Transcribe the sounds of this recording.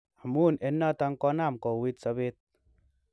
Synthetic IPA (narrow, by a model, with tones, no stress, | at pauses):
a˨mu˦˨ne˨nːa˦˨t̪a˧˦ŋkɔ˦na˦˨mkɔ˨wi˦t̪sa˧be˦t̪̚